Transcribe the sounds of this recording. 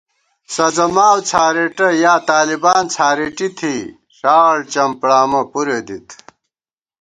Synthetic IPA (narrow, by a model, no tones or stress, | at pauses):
sɐd͡zɐmaːwt͡sʰaːɾeʈɐjaːt̪aːlibaːnt͡sʰaːɾeʈit̪ʰi | ʂaːwɐɽt͡ɕɐmpɽaːmɐpuɾeːd̪it̪ʰ